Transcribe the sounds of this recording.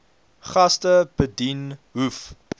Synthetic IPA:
χɐstəb̥ədinɦuf

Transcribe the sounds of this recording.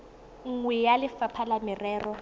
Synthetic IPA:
ŋ̩ŋwɛjalɪfapʰalamɪrɛːrɔ

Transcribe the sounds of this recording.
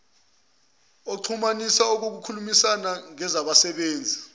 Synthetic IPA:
oǀʰumanisaok̬ok̬ukʰulumisanaŋɛzaɓasɛɓeːnd͡zʱi

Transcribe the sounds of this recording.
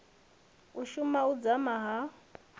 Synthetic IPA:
uʃumaud͡zamaɦa

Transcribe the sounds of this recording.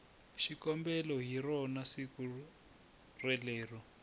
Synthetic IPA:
ʃikɔmbɛlɔɦirɔnasiku | rɛleːrɔ

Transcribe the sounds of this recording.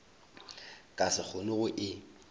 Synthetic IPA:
kʼasɪk͡xʰʊnʊɣʊʔɪ

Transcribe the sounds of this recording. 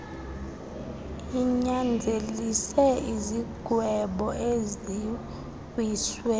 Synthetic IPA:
iɲand͡zʱelisɛiziɡ̥ʱwɛɓɔʔezi | iswɛ

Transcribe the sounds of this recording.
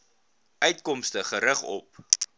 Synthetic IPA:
ʔœɥtkɔmstəχəɾəχɔ̰p̚

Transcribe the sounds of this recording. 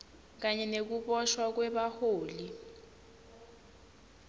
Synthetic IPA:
k̬aɲɛnek̬uɓɔʃwak̬wɛɓahoːli

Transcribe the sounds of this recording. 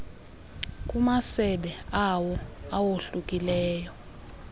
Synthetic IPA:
k̬ʼumasɛɓɛawɔawoɬukʼilɛːjɔ

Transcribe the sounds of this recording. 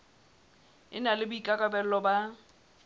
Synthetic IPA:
ɪ̰nalɪbʊikʼakʼabɛl̩lɔba

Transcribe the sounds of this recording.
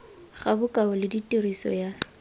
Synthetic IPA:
χabʊkʼaʊlɪditʼirisɔ̰ja

